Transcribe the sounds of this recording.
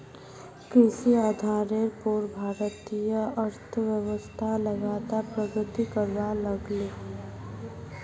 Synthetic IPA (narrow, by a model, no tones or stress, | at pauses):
kɾɪsiad̪ʱaːɾeɾpoɾbʱaːɾət̪ijəəɾt̪ʰəʋjəwəst̪ʰaləɡaːt̪apɾəɡɾɪt̪ikəɾʋaləɡleː